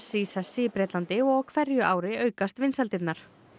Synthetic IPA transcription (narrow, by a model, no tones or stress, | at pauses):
siːsasɪːpɾɛːt̪lant̪ɪɔɣkʰvɛɾjʏʔaːwɾɪœːɥkast̪vɪnsalt̪ɪt̪naɾ̥